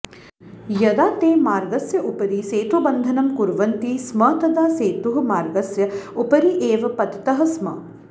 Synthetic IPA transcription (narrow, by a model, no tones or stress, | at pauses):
jɐd̪aːt̪eːmaːɾɡɐsjɐʔupɐɾiːseːt̪ʋɐbɐnd̪ʱɐnɐmkuɾʋɐnt̪ismɐːt̪ɐd̪aːseːt̪uɦɐ̆maːɾɡɐsjɐupɐɾiʔeːʋɐpɐt̪i̥t̪ɐɦɐsmɐ̰